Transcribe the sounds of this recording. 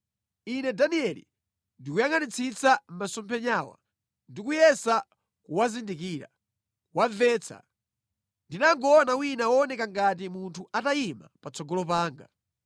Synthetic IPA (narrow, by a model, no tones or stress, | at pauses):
inɛdaniɛlḭ | ndikujaŋanit͡sʰit͡sam̩masɔmpʰɛɲaːwa̰ | ndikujɛsa | kuwazindikiːɾa̰ | wavɛːt͡sʰa̰ | ndinaŋɡɔːnawinawɔːnɛkaŋɡat̬imuntʰuatajimapat͡sɔɡɔlɔpaːŋɡa